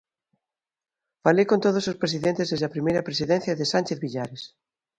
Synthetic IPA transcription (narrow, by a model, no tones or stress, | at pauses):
falekõnt̪oðosospɾes̬iðẽnt̪ezðezðɐpɾimejɾɐpɾesiðenθjɐðesanʲt͡ʃeθβiʎaɾes